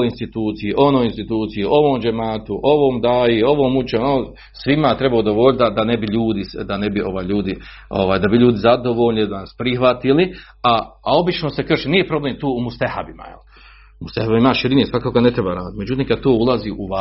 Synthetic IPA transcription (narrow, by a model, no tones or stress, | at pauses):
oinst̪it̪uːt̪sijiʔo̞noːjinst̪it̪uːt̪sijiʔo̞ʋoːmd͡ʒemaːt̪uʔo̞ʋoːmd̪aːjeo̞ʋoːmut͡ʃeno | sʋimat̪ɾe̞baod̪oʋo̞lʲt̪d̪ad̪anebiʎuːd̪isd̪anebio̞ʋaːjʎuːd̪i | o̰ʋaːjd̪abiʎuːd̪izad̪o̞ʋo̞ːʎnid̪anaspɾixʋat̪ili | aao̞bit͡ʃno̞sekr̩ʃiniːjepɾo̞bleːmt̪uːumust̪aha̰bima̰jel | must̪ahabimaʃiɾinesʋakakoɡane̞t̪ɾebaːɾaːd̪it̪me̞d͡ʒut̪iːmŋkad̪̚t̪oːulˠaziːʔuʋa